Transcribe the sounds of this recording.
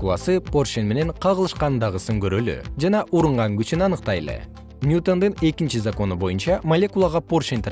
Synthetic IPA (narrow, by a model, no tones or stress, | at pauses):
lˠa̰sɯporʃenme̞ne̞ɴqʰɑʁəlˠɯʃqɑnnd̪ɑʁɯsɯŋkøɾøly̰d͡ʒɑnɑʔuɾuɴʁɑŋɡyt͡ʃynɑnɯqt̪ɑjlˠḛ | nʲjut̪o̞nd̪ɯne̞kint͡ʃizako̞nubo̞junt͡ʃɑmɐlʲekulˠɑʁɑporʃent̪ʰ